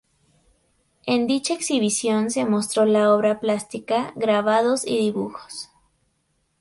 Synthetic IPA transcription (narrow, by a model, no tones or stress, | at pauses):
e̞nd̪it͡ʃaeksiβisjo̞nse̞mo̞st̪ɾo̞lao̞βɾaplast̪ikaɣɾaβaðo̞sḭðiβuxo̥s